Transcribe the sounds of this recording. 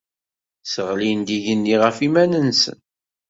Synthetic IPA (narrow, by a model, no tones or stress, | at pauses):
səʁlind̪iʝənːiʁəfimænənsə̰n